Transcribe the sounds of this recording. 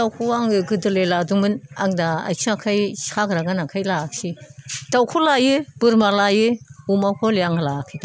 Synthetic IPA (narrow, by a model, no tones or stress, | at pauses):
dawkʰuaŋɯɡɯdɯleladumɯnaŋdaa̰jsʰiakʰajsakɾaɡanakʰajlak̚sidawkʰɔlajɯb̥ɯɾmalajɯumawkʰɔliaŋalakʰɯda